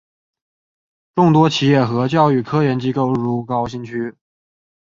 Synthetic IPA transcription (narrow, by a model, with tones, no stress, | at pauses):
ʈ͡ʂʊ˥˩ŋt̪̬wɔ˥t͡ɕʰi˨˥jɛ˥˩xɤ˧˥t͡ɕjɑ˥˧ʊy˥˩kʰɤ˥jɛ˧˥nt͡ɕi˥ko˥˩ʊɻu˧˥kɑ˥ʊɕi˥ŋt͡ɕʰy˥